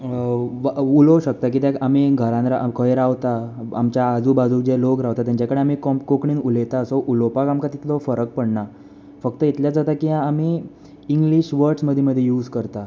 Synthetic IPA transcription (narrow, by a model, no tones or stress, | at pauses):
ʋulɔɕək̚t̪ak̬it̪jakamiɡʱəɾãnɾakʰəjɾaʋt̪aa̰mt͡ɕjaːd͡zuːbad͡zud͡ʑelokɾaʋt̪at̪jaɲt͡ɕakəɽeamikɔkokɳiːnulet̪aəsɔʔulopakamkat̪i̥t̪lɔfəɾək̚pəɽɳa | fək̚t̪əit̪ljad͡zat̪akiãːmi | iŋɡliɕʋəɾʈsməd̪ʱːjeməd̪ʱːjejuːd͡zkəɾt̪a